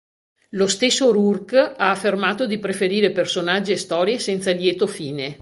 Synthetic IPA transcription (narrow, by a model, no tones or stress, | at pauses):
lost̪esːoɾurkaːfːermaːt̪od̪ipɾefeɾiːɾepersonad͡ʒːiest̪ɔːɾjesɛnt̪saljɛːt̪ofiːne